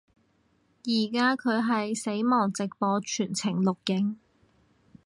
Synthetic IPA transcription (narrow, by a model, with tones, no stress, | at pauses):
jiː˨˩kaː˥kʰɵ˨˧ɥɦɐ˨jse˨˥jmɔː˨˩ŋt͡sɪ˨k̚pɔː˨˧t͡ʃʰyː˨˩nt͡sʰɪ˨˩ŋlʊ˨k̚jɪ˨˥ŋ